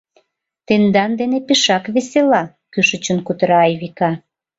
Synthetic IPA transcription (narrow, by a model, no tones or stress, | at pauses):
t̪end̪ɑnd̪enepeʃɑkβeselɑ | kyʃə̆t͡ɕənkut̪əɾɑːjβikɑ